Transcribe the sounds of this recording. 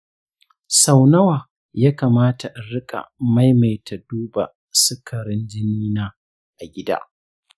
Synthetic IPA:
sa˨wnɐ˦waː˨ | jaː˦kaː˨maː˦tʰa˨ʔa˨ɾɪ˦kʼa̰˨ma˦jma˨jtʰa˨duː˦ba̰˨ | sɪ˦kʰɐ˨ɾɪ˦nd͡ʒɪ˦niː˦naː˦ | ʔa˨ɡʲɪ˦da̰ː˦

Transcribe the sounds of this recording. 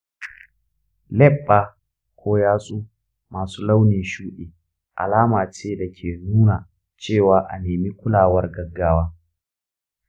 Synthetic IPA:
lɛ˦˨ɓːaː˨ | kʷʰoː˦jaː˦sʼuː˦ | maː˨suː˦la˦wneː˨ʃuː˦ɗeː˨ | ʔa̰˨laː˦maː˨t͡ʃeː˦da˨kʲʰeː˨nuː˦naː˨ | t͡ʃeː˦˨waː˦ʔa̰˨neː˨mi˦kʷʊ˦laː˨wɐ˦rɡɐ˦ɡːaː˦waː˦

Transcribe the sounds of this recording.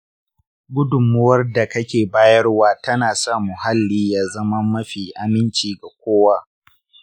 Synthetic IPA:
ɡʷʊ˦dʊ˨mʊ˦wɐ˦rda˨kɐ˦kʲeː˨baː˦jɐ˦rwaː˦tɐ˦naː˨sa˦˨mu˨ha˦lːiː˦jaː˦zɐ˦mɐ˦mːɐ˦ɸiː˨ʔa˨mɪ˦nt͡ʃiː˨ɡa˨kʷoː˦waː˦

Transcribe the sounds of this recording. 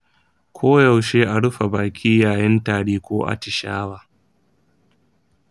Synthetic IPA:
kʰʷoː˦ja˨wʃeː˦ʔa˨ɽʊ˦ɸa˨baː˨kʲʰiː˦jaː˨jɪ˦ntaː˨ɽiː˦kʷoː˦ʔa̰˨tɪ˨ʃa̰ː˦waː˦

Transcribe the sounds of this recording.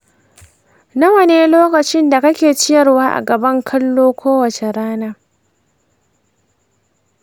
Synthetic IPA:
nɐ˦wɐ˨neː˦loː˦kɐ˨t͡ʃɪ˦nda˨kɐ˦kʲeː˨t͡ʃɪ˦jɐ˨rwaː˦ʔa̰˨ɡɐ˨bɐ˦ŋkʰɐ˦lːoː˦kʷoː˦wɐ˨t͡ʃe˨ɾaː˦naː˦

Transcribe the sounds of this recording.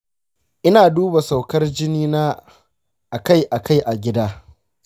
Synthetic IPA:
ʔɪ˦naː˨duː˦ba˨sa˨wkɐ˦rd͡ʒɪ˦niː˦naː˦ | ʔa˨ka˦˨jʔa˨kʰa˦jʔa˨ɡʲɪ˦daː˦

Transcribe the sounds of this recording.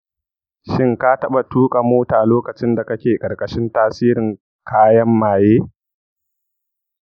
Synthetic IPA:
ʃɪ˦ŋka˦tɐ˦ɓa˨tuː˦kʼa˨moː˦taː˨loː˦kɐ˨t͡ʃɪ˦nda˨kɐ˦kʲeː˨kʼɐ˨ɾkʼɐ˨ʃɪ˦ntaː˦siː˦ɾɪ˨ŋ | kʰaː˦jɐ˦mːaː˨jeː˦

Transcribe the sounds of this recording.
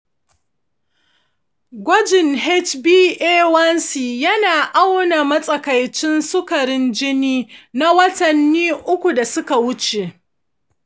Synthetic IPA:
ɡʷɔ˦d͡ʒɪ˨ŋɦɛ˦t͡ʃbiː˦ʔeː˦wɐ˦nsiː˨jɐ˦naː˨ʔa˦wna˨mɐ˦sʼɐ˦kɐ˨jt͡ʃɪ˦nsʊ˦kɐ˨ɾɪ˦nd͡ʒɪ˦niː˦na˦wɐ˦tɐ˨nːiː˦ʔʊ˦kʷu˨da˨sʊ˦ka˨wʊ˦t͡ʃeː˨ʔ

